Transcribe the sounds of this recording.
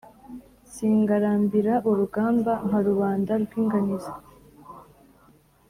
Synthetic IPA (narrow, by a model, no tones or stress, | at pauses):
siːŋɡaɾaːmbiɾaʔuɾuɡaːmbaŋaɾuβaːndaɾɡwiːŋɡanizḁ